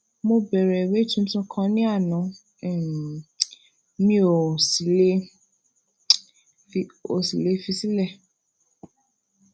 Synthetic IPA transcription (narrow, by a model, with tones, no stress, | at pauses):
mo˧bɛ˨ɾɛ˨we˦tũ˦tɔ̃˧kʰã˧nĩ˦a˦˨nã˨ | mĩ˦o˨si˨le˦ | fi˧o˨si˨le˨˦fi˧si˦lɛ˦˨